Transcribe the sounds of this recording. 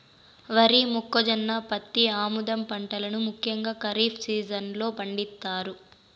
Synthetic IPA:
ʋɐɾimukːɔd͡ʒɐnːapɐt̪ːiaːmud̪ɐmpɐɳʈɐlɐnumukʰjɐŋɡaːkɐɾiːpʰsiːd͡ʒɐnlo̞ːpɐɳɖit̪ːaːɾu

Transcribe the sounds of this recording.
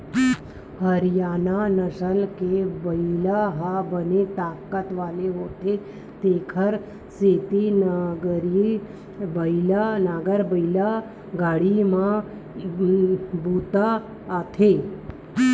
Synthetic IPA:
həɾijaːnanəʃəlkebəilaɦabənet̪aːkət̪ʋaleɦot̪ʰe | t̪eːkʰəɾ | set̪inaɡəɾ | bəilanaːɡəɾbəila | ɡaɽimã | but̪aː | t̪ʰe

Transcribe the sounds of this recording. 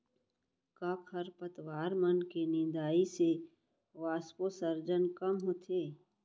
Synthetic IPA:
kaːkʰəɾpət̪waːɾmənkenɪ̃nd̪aːise | ʋaːsposəɾd͡ʒənkəmɦoːt̪ʰeː

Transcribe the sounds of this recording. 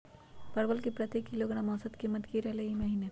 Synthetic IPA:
pɐɾbəlkepɾɐt̪ekːiloɡɽ̃amɔ̃ːsət̪kemɐd̪kiɾeleimɐɦiːne

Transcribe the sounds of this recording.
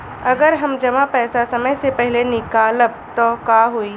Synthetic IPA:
ɐɡəɾɦɐmd͡ʒɐmapɛːsasɐməjsepɛɦlenɪkaːləbt̪ɔkaːɦoiː

